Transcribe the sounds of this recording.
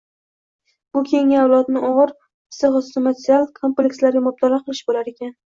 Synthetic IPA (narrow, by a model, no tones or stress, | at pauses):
b̥ʊkʲʰe̞ŋaawlˠɒt̪nɪʔɒʁɨɾ | sɨʁɒsɨ̥samat̪ʰʲɾialˠkʰo̞mplʲekʲslaɾɡʲamʊb̚t̪ʰalɑqʰɨlˠɪʃbolaɾe̞kʲʰan